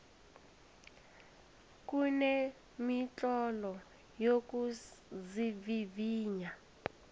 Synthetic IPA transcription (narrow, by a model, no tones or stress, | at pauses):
kʼunɛ | mit͡ɬʼɔlɔ | jokuziviviːɲa